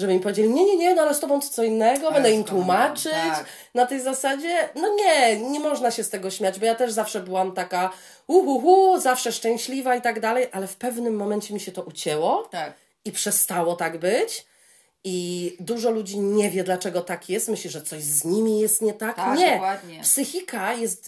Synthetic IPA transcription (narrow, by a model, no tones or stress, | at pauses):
ʐɛbɘimpɔvʲjed͡ʑelʲiɲɛɲɛɲɛnɔalɛst̪ɔbɔ̃w̃t̪ɔ̥t̪sɔinːɛɡɔbɛnd̪ɛimt̪wumat͡ʂɘt͡ɕ | nat̪ɛjzasad͡ʑɛnɔɲɛɲɛmɔʐnaɕɛst̪ɛɡɔɕmʲad͡ʑbɔjat̪ɛʐzafʂɛbɘwamt̪aka | uxuxuzafʂɛʂt͡ʂɛ̃w̃ɕlʲivait̪aɡd̪alɛjʔalɛfpɛvnɘmːɔmɛnt͡ɕɛmʲiɕɛt̪ɔʔut͡ɕɛwɔ | ipʂɛst̪awɔt̪aɡbɘt͡ɕ | id̪uʐɔlud͡ʑiɲɛvʲjɛd̪lat͡ʂɛɡɔt̪akʰjɛst̪mɘɕlʲiʐɛt̪sɔɕʑzɲimʲijɛst̪ɲɛt̪ak̪ɲɛapsɘxʲikajɛst̪